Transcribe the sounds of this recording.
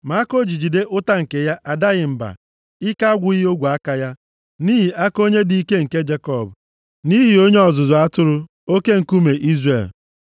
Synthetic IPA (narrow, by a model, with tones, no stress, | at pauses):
ma˨˦ko˦d͡ʒi˨d͡ʒi˨de˦ʔʊ˦ta˦ŋ̩˨ke˨ja˦ʔa˨da˦ɣɪ˨m̩˨ba̰˨ | ɪ˦ka˦a˦ɡʷʊ˦ɣɪ˦o˦ɡʷu˨a˦ka˨ja˦ | niː˦ɦi˨ʔa˦ko˦ɲe˦di˦i˦ke˦ŋ̩˨ke˦d͡ʒe˦kɔ˦˨b | ni˦ɦi˨o˦ɲe˦ɔ˨zʊ˨zʊ˨a˦tʊ˦ɾʊ˦ | o˦ke˦ŋ̩˨ku˦me˨ʔi˦zre˨l